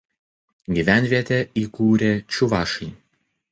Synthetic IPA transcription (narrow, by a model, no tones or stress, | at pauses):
ɡʲiʋʲæˑnʲʋʲiɛt̪ʲeiːkuːɾʲeːt͡ʃʲʊʋɑːʃɐɪ